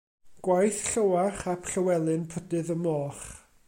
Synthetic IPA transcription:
ɡ̥wajθɬəwaχapʰɬəwɛlˠɨnpʰədɨðəmɔːχ

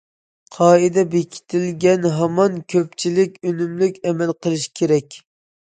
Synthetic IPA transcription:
qʰɑːɨd̪ɛbekʲʰi̥t̪ʰɪlɡʲɛnɦɑmɑnkʲʰøpt͡ʃʰilɪkʲønymlykʲɛmɛlqʰəlˠɨʃkʲʰeɾɛkʲ

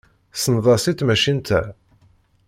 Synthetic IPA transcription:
sənðˤɑsit̪mæʃint̪ʰæ

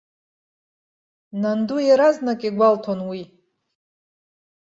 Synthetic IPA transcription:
nandujaɾaznakʼiɡʷaltʰonwi

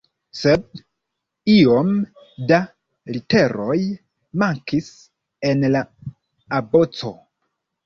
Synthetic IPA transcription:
se̞d̚ | io̞m | da | ɾite̞ɾo̞j | maŋkis | e̞nlaː | bo̞t͡so̞

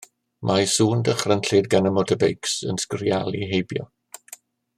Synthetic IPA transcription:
mʔajsuːndəχrənɬɪdɡanəmɔtʰəbejksə̰nskrjalˠiɦejbjɔ̰

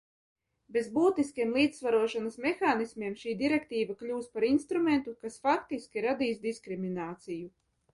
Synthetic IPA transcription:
bezbuːt̪iskʲiɛmlˠiːd̪svaɾuɔʃanasmexaːnismʲiɛmʃiːd̪iɾɛkt̪iːvaklʲuːspaɾinst̪ɾument̪ukasfak̚t̪iskʲiɾad̪iːsd̪iskɾiminaːt̪siju

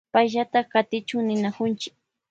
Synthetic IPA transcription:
pajʒat̪aχkat̪ɪt͡ʃʊŋnɪnakʊnt͡ʃɪ̥k̚

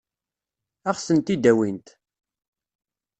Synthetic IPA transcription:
æχsənt̪id̪æwint̪

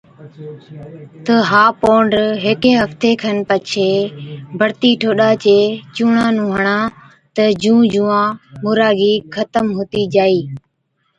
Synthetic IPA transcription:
t̪əɦaːpoːɳɖɦeːkẽːɦəft̪eːkʰənpət͡ʃʰeːbʱəɽt̪iːʈʰoːɗaːt͡ʃeːt͡ʃuːɳãːnũːɦəɳãː | t̪əd͡ʒũːd͡ʒũːãːmʊːɾaːɡiːkʰət̪əmɦoːt̪iːd͡ʒaːiː

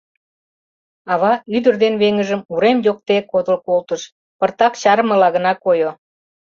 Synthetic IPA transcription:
ɑβɑyd̪ərd̪enβeŋəʒəmuɾemjok̚t̪ekod̪əlkolt̪əʃ | pərt̪ɑkt͡ɕɑɾəmə̆lɑɣə̆nɑkojo

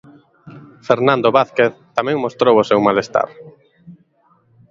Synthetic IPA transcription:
feɾnãnd̪oβaθkeθt̪amɛ̃ŋmost̪ɾowosewmalest̪a̰ɾ

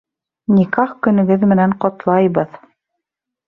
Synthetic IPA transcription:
nʲikɑχkɵ̆nɵ̆ɡɘðmɘ̆næɴqɑt̪lˠɑjβɤð

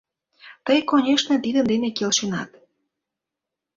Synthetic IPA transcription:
t̪əjkonʲeʃnĕt̪id̪ənd̪enekelʃenɑ̰t̪

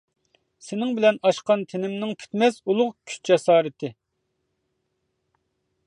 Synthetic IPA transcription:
sɪnɪŋbɪlɛnɑʃqɑnt̪ʰenɪmnɪŋpʲʰy̥t̪mɛsulˠʊqkʲʰy̥t͡ʃ̚d͡ʒɛsɑːɾɨt̪ʰɪ

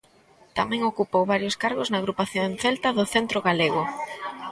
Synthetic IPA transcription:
t̪amɛ̃ŋokupowβaɾjoskaɾɣoznɐaːɣɾupaθjonθelt̪ɐðʊθent̪ɾoɣaleɣʊ

